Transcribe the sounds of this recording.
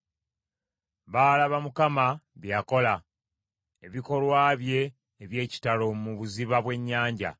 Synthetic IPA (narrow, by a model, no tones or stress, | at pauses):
βaːlaβamukamaβjako̞la | e̞βiko̞lwaːβje̞ː | βje̞ːci̥talo̞muβuziβaβwe̞ɲːaːɲɟa̰